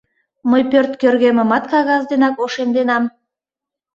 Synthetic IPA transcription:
məjpørt̪kørɣeməmɑt̪kɑɣɑzd̪enɑkoʃemd̪enɑm

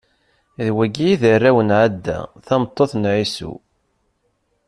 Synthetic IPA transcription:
ðwæɡijiðərːæwənʕad̪ːæ̰θæmt̪ˤːoθnʕisṵ

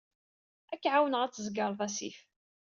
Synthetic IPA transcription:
ækːʕawənʁæt͡sːəzɡɑɾˤðˤæsḭf

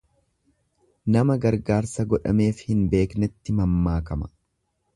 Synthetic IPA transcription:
nɐmɐɡɐɾɡaːɾsɐɡɔᶑɐme̞ːfhɪnbe̞ːknɛt̪ːɪmɐmːaːkɐmɐ̥

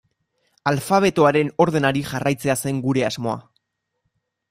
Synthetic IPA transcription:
alfaβ̞e̞t̪oaɾe̞no̞ɾðe̞naɾiʝarajt͡se̞ase̞ŋɡuɾe̞azmo̞a̰

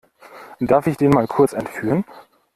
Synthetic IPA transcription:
d̥aɐfɪçd̥eːnmaːlkʰʊɐt͡sɛntfyːʁən

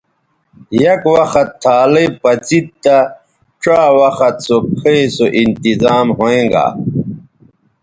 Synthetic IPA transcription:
jɐkwɐxɐt̪ʰːaːlepɐt͡sit̪t̪a | ʈ͡ʂaːwɐxɐt̪̚sokʰejsoʔint̪izaːmɦoẽŋɡa̰

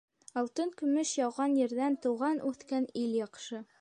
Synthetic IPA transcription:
ɑlˠt̪ɤŋkɵ̆mɵʃjɑwʁɑnjɘ̆ɾðænt̪ɤ̆wʁɑnʔʉθkæniljɑqʃɤ

